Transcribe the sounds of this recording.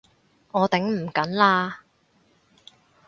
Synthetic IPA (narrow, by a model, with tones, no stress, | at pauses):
ɔː˨˧t̪ɪ˨˥ŋm̩˨˩kɐ˨˥nlaː˥